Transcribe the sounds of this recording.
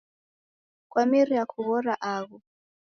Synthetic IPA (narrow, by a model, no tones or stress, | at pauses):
kwamiɾiakʰuɣɔɾaʔaːɣu